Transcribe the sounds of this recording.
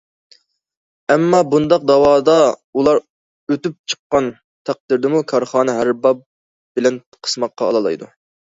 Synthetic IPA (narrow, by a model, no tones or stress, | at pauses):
ɛmːɑbund̪ɑq̚d̪ɑwɑːd̪ɑulˠɑɾ | øt̪yp̚t͡ʃʰə̥qːɑn | t̪ʰæq̚d̪ɪɾd̪ɪmukʰɑɾχɑːnɨɦæɾbɑp̚ | b̥ɪlɛn | qʰə̥smɑqːɑ̰ːlˠɑlˠɑ̰jd̪u